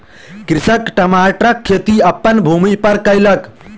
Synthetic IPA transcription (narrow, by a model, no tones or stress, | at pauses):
kɾɪsəkʈəmaʈɾəkʰːet̪iɐpːənbʱumipəɾkəjlək